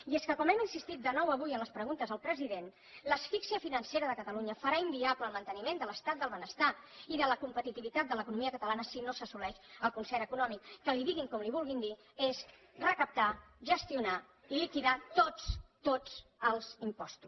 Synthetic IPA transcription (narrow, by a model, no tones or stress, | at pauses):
ieskəkɔmɛminsist̪it̪̚d̪ənɔwəβujənləspɾəɣunt̪əzðəlˠpɾəziðen | ləsfiksiəfinənseɾəðəkət̪əluɲəfəɾaimbiapləːlˠmənt̪ənimend̪ələst̪at̪̚d̪əlˠβənəst̪aiðələkumpət̪it̪iβit̪at̪̚d̪ələkunumiəkət̪əlanəsinosəsulɛʃəlˠkunsɛɾəkunɔmikːəliðiɣiŋkɔmliβulˠɣind̪i | ez | rəkəp̚t̪aʒəst̪iuna | ilikiðat̪ot͡st̪ot͡səlˠzimpɔst̪u